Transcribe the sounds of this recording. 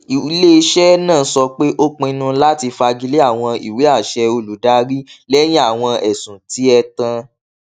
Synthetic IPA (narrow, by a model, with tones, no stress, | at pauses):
i˨˦le˦˧ʃɛ˦nãː˦˨˧sɔ˧k͡pe˦ʔo˦k͡pũ˧i˧nũ˧˦la˦ti˧fa˧ɡi˧le˦a˦˨w̃ɔ̃˧ḭ˨we˨˦a˦˨ʃɛ˧o˧lu˨da˦ɾi˦lɛ˦j̃ĩ˦a˦˨w̃ɔ̃˧ɛ˨sũ˨ti˨˦ɛ˧tã˧